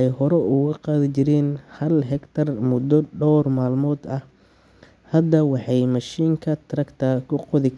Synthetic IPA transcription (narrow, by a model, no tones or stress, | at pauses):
ɛjhɔɾɛʊɣɐqɑːðɪt͡ʃɪɾɛːnhɐlɦɛkt̪ʰɐrmʊd̪ɔɖɔːrmaːlmɔːd̪ɐh | hɐd̪ɐwɑħɑjmɑʃiːŋkʰɐt̪ʰɾɐkt̪ʰɐkʰʊqɔðɪkʰ